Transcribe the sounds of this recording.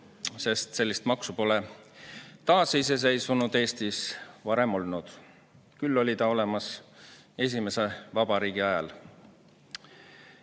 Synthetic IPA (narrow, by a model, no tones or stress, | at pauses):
se̞st̪se̞lːist̪mɑksupo̞le | t̪ɑːseis̬e̞s̬ejsvunud̪e̞ːst̪isvɑɾe̞mo̞lnud̪̥ | kylːo̞lʲit̪ɑo̞le̞mɑs | e̞s̬ʲime̞se̞vɑbɑɾiːɡ̥iɑjɑ̰l